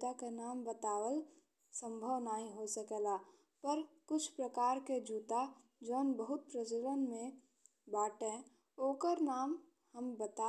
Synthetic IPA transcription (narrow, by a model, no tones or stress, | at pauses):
akenaːmbət̪aːwəl | sə̃mbʱəʋnaːɦĩɦosəkelaː | pəɾkʊt͡ʃʰpɾəkaːɾked͡ʒuːt̪a | d͡ʒoːnbəɦʊt̪̚pɾəd͡ʒələnmẽ | baːʈẽ | oːkəɾnaːm | həmbət̪a